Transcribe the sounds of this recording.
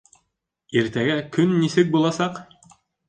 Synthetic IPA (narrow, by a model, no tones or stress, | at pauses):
iɾt̪æɡækɵnːisɘk̚bulˠɑsɑq